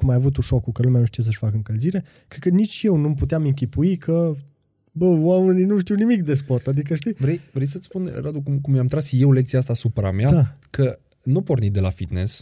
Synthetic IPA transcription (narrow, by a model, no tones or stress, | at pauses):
kumajavut̪̬uʃo̞kukəlumejanuʃt̪ijes̬əʃfakəɨŋkəlziɾe̞ | kɾed̪kənit͡ʃʲje̞wnumput̪eamɨŋk̬ʲipuikʰə | bəwame̞ninuʃt̪iwnimik̚d̪e̞s̬po̞rt̪ad̪ik̬əʃt̪ivɾejvɾejsət̪spunɾad̪ukumkummjamt̪ɾasje̞wle̞k̚t̪sijaast̪asupɾa̰meaakʰə | nupo̞rnit̪̚d̪e̞la̰fit̪nḛs